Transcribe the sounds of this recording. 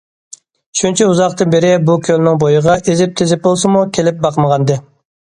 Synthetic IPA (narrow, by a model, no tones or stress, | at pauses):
ʃunt͡ʃʰɛuzɑqt̪ɨnbeɾɪbukʲʰølnɪŋbojəʁɑʔezɪp̚t̪ʰezɪp̚bolˠsɨmukʲʰelɪp̚bɑqməʁɑnd̪ɨ